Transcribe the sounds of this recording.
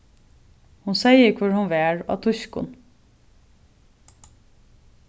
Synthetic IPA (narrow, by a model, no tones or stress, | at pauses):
hʊnsæɪəkʰʊɹhʊnʋeːɹɑ̰t̪ʰʊçkʊ̰n